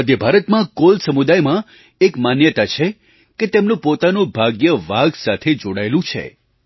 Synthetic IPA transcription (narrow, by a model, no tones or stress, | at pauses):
əd̪ʱjəbʱaɾət̪mãkolsəmud̪ajmã | ekmanjət̪at͡ʃʰe | ket̪emnũpot̪anũbʱaɡjəʋaɡsat̪ʰed͡ʒoɽaelũt͡ʃʰḛ